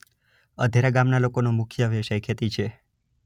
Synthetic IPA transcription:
əd̪ʱeɾaɡamnalokonomʊkʰjəʋeʃəjkʰet̪it͡ʃʰe

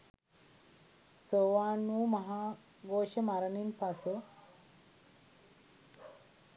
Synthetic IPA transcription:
soʋaːnuːmɐɦaː | ɡoːʃəmaɾɐninpɐsu

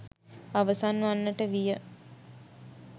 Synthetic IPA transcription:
aʋəsanʋanːəʈəʋijə

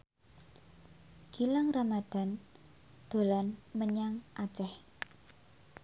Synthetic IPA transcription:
ɡ̥i̤laŋramad̪̥a̤n | d̪̥o̤lanməɲaŋʔḁt͡ʃɛh

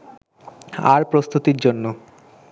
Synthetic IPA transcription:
a̰ɾpɾost̪ut̪iɾd͡ʑonːo

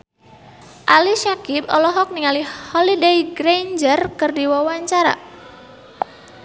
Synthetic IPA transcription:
ʔaliʃakipɔ̰lɔɦɔk̚niŋalihɔlidejɡɾejnd͡ʒərkɨrdiwawaɲt͡ʃaɾa̰

